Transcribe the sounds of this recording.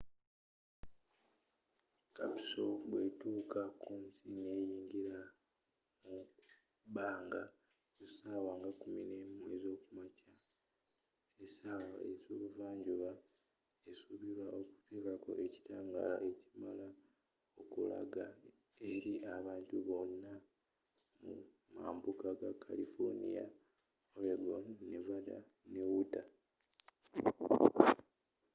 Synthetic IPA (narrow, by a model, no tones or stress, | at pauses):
kapi̥so̞βwe̞tuːkakuːnsine̞ːjiːŋɡiɾa | mu | baːŋɡa | usaːwaŋɡakumine̞mue̞zo̞ːkumaca | esaːwa̰ezoːβuvaːɲɟuβa | esuβiɾwaʔo̞ku̥te̞ːkako̞̰ʔe̞ci̥taːŋɡa̰la̰ʔe̞cimala | o̞kula̰ɡa | e̞ɾiʔaβaːntuβo̞nːa | mṵ | ma̰ːmbukaɡakʰːa̰lifoɾnḭja̰ | oleɡonnevada̰ | newuta